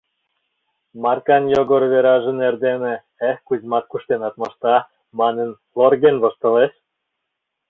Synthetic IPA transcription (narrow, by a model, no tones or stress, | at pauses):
mɑrkɑnjoɡoɾβeɾɑʒɤ̆nerd̪enĕ | ekuzmɑt̪̚kuʃt̪enɑt̪mɤ̆ʃt̪ɑ | mɑnə̆n | lorɣenβŏʃt̪ɤ̆leʃ